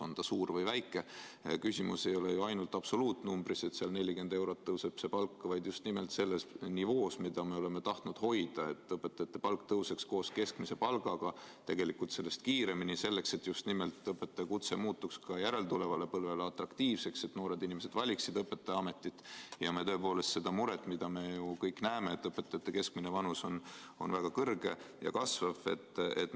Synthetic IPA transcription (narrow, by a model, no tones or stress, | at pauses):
ond̪̥ɑsuːɾvɤjvæjkːˑe̞kysʲimuse̞jo̞lejuɑjnult̪ːˑɑbso̞luːt̪numbɾise̞t̪seɑlne̞lʲikend̪e̞wɾo̞t̪ːɤwsepsepɑlkːɑvɑjd̪just̪nimelt̪se̞lːesnivo̞ːsmid̪̥ɑme̞ole̞me̞t̪ɑht̪nud̪̥ho̞jd̪̥ɑe̞t̪ːˑɤpːet̪ːˑɑt̪ːˑepɑlkt̪ɤwseksko̞ːske̞skmise̞pɑlɡ̥ɑɡ̥ɑt̪e̞ɡ̥e̞likult̪se̞lːe̞st̪̚kiːɾe̞minise̞lːe̞kse̞t̪ːjust̪nimelt̪ːˑɤpːˑe̞t̪ːˑekut̪se̞muːt̪ːˑukskɑjæɾelt̪ule̞vɑle̞pɤlveleɑt̪rɑkt̪iːvse̞kse̞t̪no̞ːɾe̞d̪inʲime̞s̬e̞d̪vɑlʲiksid̪̥ɤpːˑe̞t̪ːˑeɑme̞t̪ːˑit̪ːˑjɑmet̪ø̞epo̞ːle̞st̪se̞d̪̥ɑmuɾet̪ːˑmid̪̥ɑme̞jukɤjkːnæːmeet̪ːˑɤpːˑe̞t̪ːˑɑjɑt̪ːˑeke̞skminevɑnuso̞n | o̞̰nvæɡ̥ɑkɤrɡ̥e̞̰jɑ̰kɑsvɑvḛt̪ːet̪ː